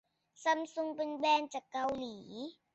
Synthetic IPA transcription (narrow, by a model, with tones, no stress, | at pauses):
sa˧msu˧ŋpe˧nbɛː˧nt͡ɕaː˨˩kːa˧wliː˩˦